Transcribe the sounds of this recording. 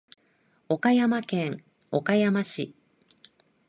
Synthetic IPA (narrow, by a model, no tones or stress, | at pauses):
o̞kajamakẽ̞ŋ | o̞kajamaɕi